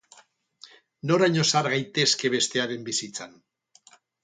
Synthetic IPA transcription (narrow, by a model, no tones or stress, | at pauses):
no̞ɾajɲo̞saɾɣajt̪e̞ske̞β̞e̞st̪e̞aɾe̞mbisit͡san